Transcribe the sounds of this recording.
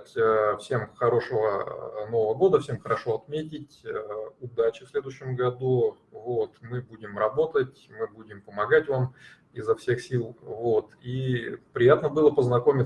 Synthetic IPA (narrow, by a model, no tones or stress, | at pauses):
tʲəfsʲe̞mxɐɾo̞ʂəvəno̞vəvəɡo̞d̪əfsʲemxəɾɐʂo̞ɐt̪mʲetʲɪtʲəʊd̪at͡ɕɪfsʲlʲe̞d̪ʊɕːɪmɡɐd̪u | vot̪mɨbudʲɪmrɐbo̞t̪ətʲmɨbudʲɪmpəmɐɡatʲvam | ɪzːɐfsʲe̞xsʲilˠvo̞t̪ipɾʲɪjat̪nəbɨlˠəpəznɐko̞mʲɪ